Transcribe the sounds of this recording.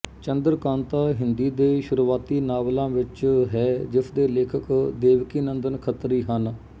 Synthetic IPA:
t͡ʃənd̪əɾkãːnt̪aːɦɪnd̪iːd̪eːʃʊɾuːaːt̪iːnaːʋlãːʋɪt͡ʃɦɛːd͡ʒɪsʰd̪eːleːkʰəkd̪eːʋkiːnənd̪ənkʰət̪ɾiːɦən

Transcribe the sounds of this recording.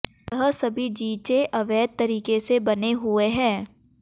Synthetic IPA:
jɐɦəsɐbʱid͡ʒiːt͡ʃeʔɐʋɛːd̪̚t̪ɐɾiːkesebɐneɦʊeɦɛ̃ː

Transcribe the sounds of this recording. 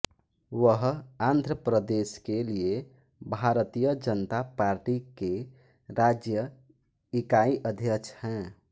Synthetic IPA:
ʋəɦãnd̪ʱɾəpɾəd̪eskelie | bʱaɾt̪ijəd͡ʒənət̪apaɾʈike | ɾad͡ʒjə | ikaiʔəd̪ʱjəkt͡ʃʰhɛ̃

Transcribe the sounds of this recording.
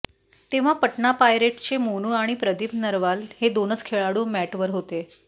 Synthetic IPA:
t̪eʋ̤apəʈɳapajɾeʈt͡ɕemonuːaɽ̃ipɾəd̪ipnəɾʋalhed̪onət͡skʰeɭaɽuːmæʈʋəɾɦot̪e

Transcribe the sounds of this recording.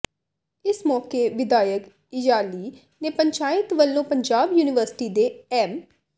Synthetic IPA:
ɪsmɔːkeːʋɪd̪aːjək | ɪjaːliː | neːpəɲt͡ʃaːɪt̪ʋəlːõːpəɲd͡ʒaːbjuːnɪʋəɾsɪ̥ʈiːd̪eːɛːm

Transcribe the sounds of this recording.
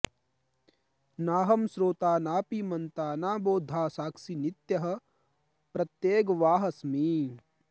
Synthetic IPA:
naːɦɐmsɾoːt̪aːnaːpimɐnt̪aːnaːboːd̪ʱːaːsaːksinit̪jɐɦɐ̆ | pɾɐt̪jeːɡʋaːɦɐsmi

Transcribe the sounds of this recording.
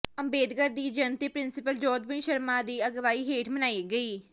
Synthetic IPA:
əmbeːd̪ɡəɾd̪iːd͡ʒənt̪iːpɾɪnsɪpəld͡ʒɔːd̪̚bɪ̃nʃəɾmãːd̪iːəɡʋaːiːɦeːʈʰmənaːiːɡəiː

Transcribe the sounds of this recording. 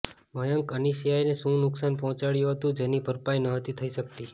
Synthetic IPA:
məjəŋkəniʃijajnesũnʊksanpɔɦɔ̃t͡ʃaɽjũɦət̪ũd͡ʒenibʱəɾpajnəɦət̪it̪ʰəiʃək̚t̪i

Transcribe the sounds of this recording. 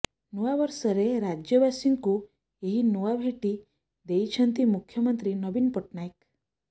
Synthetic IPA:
nuʋaʋəɾsəɾeɾad͡ʒjəbasiŋɡku | eɦinuʋabʱeʈi | d̪eit͡ʃʰənt̪imukʰːjəmənt̪ɾinɔbinpəʈnajk

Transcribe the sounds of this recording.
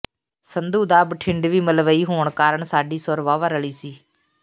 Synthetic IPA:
sənd̪uːd̪aːbʈʰɪɳɖʋiːməlʋəiːɦoːɳkaːɾəɳsaːɖiːsʊɾʋaːʋaːɾəɭiːsiː

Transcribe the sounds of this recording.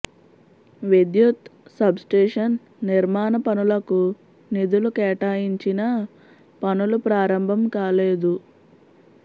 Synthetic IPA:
ʋid̪jut̪sɐbsʈeːʂɐnː | iɾmaːnɐpɐnulɐku | nid̪ulukɛːʈaːjiɲt͡ʃinɐ | pɐnulupɾaːɾɐmbʱɐmkaːleːd̪u

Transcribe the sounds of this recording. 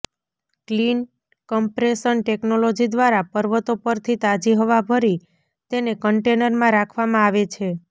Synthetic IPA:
klin | kəmpɾesənʈeknolod͡ʒid̪ʋaɾapəɾʋət̪opəɾt̪ʰit̪ad͡ʒiɦəʋabʱəɾi | t̪enekəɳʈenəɾmãɾakʰʋamãaʋet͡ʃʰe

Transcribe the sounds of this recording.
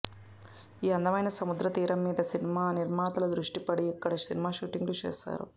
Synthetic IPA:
iːɐnd̪ɐmɐjnɐsɐmud̪ɾɐt̪iːɾɐmːiːd̪ɐsinimaːniɾmaːt̪ɐlɐd̪ɾuʂʈipɐɽiɐkːɐɽɐsinimaːʃuːʈiŋɡlut͡ʃḛːsa̰ːɾṵ

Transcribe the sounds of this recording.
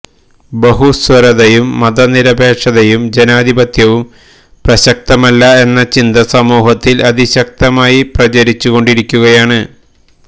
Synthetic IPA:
bɐɦuswɐɾɐðɐjumːɐd̪ɐniɾɐbʱe̞ːʂɐðɐjumd͡ʑenaːd̪ibɐt̪jɐʋum | prɐɕɐk̚t̪ɐmɐlːɐe̞nːɐt͡ɕind̪ɐsɐmuːɦɐt̪ːilɐd̪iɕɐk̚t̪ɐmaːjiprɐt͡ɕɐɾit͡ɕːuɣo̞ɳɖiɾikʲːuɣɐjaːɳɨ

